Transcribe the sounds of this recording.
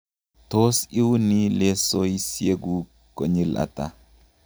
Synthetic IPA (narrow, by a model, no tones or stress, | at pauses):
tosiwunilesoisjeɡu | koɲilʔa̰ta